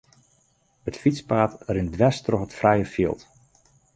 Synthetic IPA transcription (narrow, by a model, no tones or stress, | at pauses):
ətfit͡spaːtrɪndʋɛstrɔxətfrɛjəfiəlˠt